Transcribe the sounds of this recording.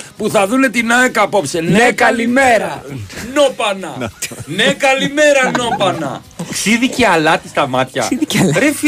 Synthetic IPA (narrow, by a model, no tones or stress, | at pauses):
puθɐðune̞t̪inɐekɐpo̞psennekɐlimeɾɐno̞pɐnɐnekɐlime̞ɾɐno̞pɐnɐ̰ | ksiðiceɐlɐt̪ist̪ɐmɐt̪çɐ̰ɾef